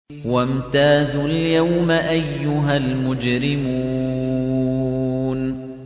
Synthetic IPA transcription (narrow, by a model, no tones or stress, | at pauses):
wamt̪aːzuljawmaʔajːʊɦalmʊd͡ʒɾɪmuː | n